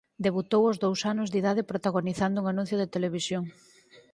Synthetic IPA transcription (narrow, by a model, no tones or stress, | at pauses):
d̪eβut̪owozðowsanʊzðiðaðɪpɾot̪aɣoniθand̪ʊuːŋanũn̟θjʊðet̪eleβisjoŋ